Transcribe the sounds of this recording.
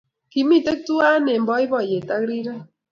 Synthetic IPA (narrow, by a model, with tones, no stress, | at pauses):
ki˨mi˦˨te˦k̚tu˦a˦ne˨mbɔ˦ɪ˦bɔ˨je˨ta˦kɾi˦ɾa˦